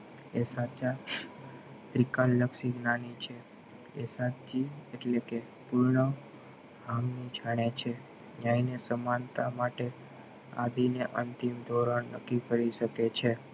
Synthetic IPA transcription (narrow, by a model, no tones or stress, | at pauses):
esat͡ʃa | t̪ɾikanləkʃiɡnanit͡ʃʰe | esat͡ʃieʈleke | puɾɳə | hamnid͡ʒʱaɽ̃et͡ʃʰe | ɲainesəmant̪amaʈe | a̰d̪ineʔənt̪imd̪ʱoɾanəkːikəɾiʃəket͡ʃʰe